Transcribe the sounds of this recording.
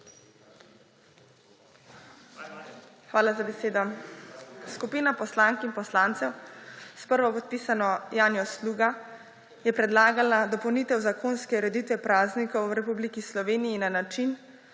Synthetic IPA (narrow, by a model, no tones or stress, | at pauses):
xʋaːlazabɛseːd̪ɔ | skupiːnapɔslaːŋkinpɔslaːnt̪sɛwspəɾʋɔpɔt̪̚piːsanɔjaːnjɔsluːɡa | jɛpɾɛd̪laːɡalad̪ɔpɔwniːt̪ɛwzakʰoːnskɛɾɛd̪it̪ʋɛpɾaːznikɔwɾɛpublikislɔʋeːnijinanat͡ʃin